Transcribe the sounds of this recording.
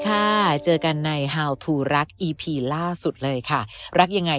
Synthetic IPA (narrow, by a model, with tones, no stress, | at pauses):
kʰa˥˩t͡ɕɤː˧ka˧nːa˧jɦaː˧wt̪ʰuː˧ɾa˦˥k̚ʔiː˧pʰiː˧laː˥˩su˨˩t̪̚lɤː˧jkʰa˥˩ɾa˦˥k̚ja˧ŋːa˧